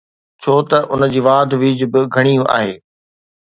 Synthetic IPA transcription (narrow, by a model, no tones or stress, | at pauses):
t͡ɕʰoːt̪ɐʔʊnə̆d͡ʑiːʋaːd̪ʱʋiːd͡ʑbɪɡʱɐɽ̃ijũʔa̰ːɦeː